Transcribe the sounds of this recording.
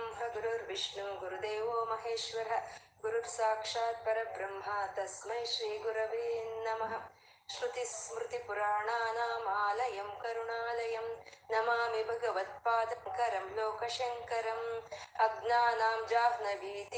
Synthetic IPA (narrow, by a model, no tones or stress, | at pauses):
mɦɐɡuɾoɾʋiʂɳuɡuɾud̪eːʋoːmɐɦeːʃʋɐɾɐ̆ | ɡuɾuɾsaːkʂaːt̪̚pɐɾɐbɾɐmɦaːt̪ɐsmɐjʃɾiːɡuɾɐʋiːnɐmɐɦɐ | ʃɾut̪ismɾut̪ipuɾaːɳaːnaːmaːlɐjɐmkɐɾuɳaːlɐjɐmnɐmaːmibʱɐɡɐʋɐt̪̚paːd̪ɐŋkɐɾɐmloːkɐʃɐŋkɐɾɐmɐɡnaːnaːmd͡ʒaːɦnɐbiːt̪